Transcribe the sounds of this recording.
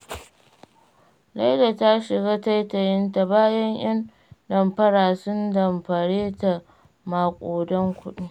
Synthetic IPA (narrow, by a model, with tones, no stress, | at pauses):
la˦jda˨ta˦ʃɪ˨ɡaː˦ta˦jtɐ˨jɪ˦nta˨baː˦jɐ˦ɲj̰ʔɐ˦n | dɐ˨mpɐ˦ɽaː˨sʊ˦ndɐ˨mɸɐ˨ɽeː˦ta˨ | maː˨kʷʼoː˨dɔ˦ŋkʷʊ˦ɗi˦